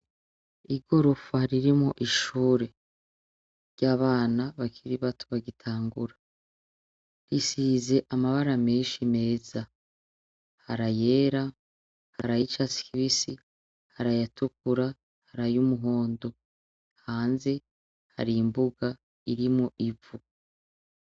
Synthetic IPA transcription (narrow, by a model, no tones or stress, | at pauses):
iɡo̞ɾo̞faɾiɾimŋoʔiʃuːɾe̞ | ɾɟaːβaːnaβakʰiɾiβatʰoβaɡitʰaːŋɡuɾa | ɾisiːze̞ʔamaβaɾameːnʃime̞ːza | haɾaje̞ːɾa | haɾajit͡ʃasi̥kiβisi | haɾajatukuɾa | haɾajumuɦo̞ːndo̞ | haːnze̞ | ha̰ɾimbuɡa | iɾimŋoʔivu